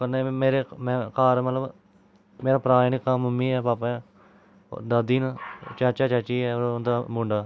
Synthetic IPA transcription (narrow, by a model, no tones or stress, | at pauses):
kəneːmeːɾeːmɛ̃ːkaːɾmət̪ləb | meːɾaːpɾaːnɪkaːməmːiːɛːpaːpḛ̃ː | d̪aːd̪iːnːt͡ʃaːt͡ʃaːt͡ʃaːt͡ʃiːɛːoɾnd̪aːmʊ̃ɳɖaː